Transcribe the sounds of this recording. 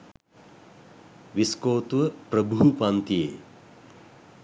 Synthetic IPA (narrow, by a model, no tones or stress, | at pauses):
ʋiskoːt̪uʋəpɾəbuɦupant̪ijḛː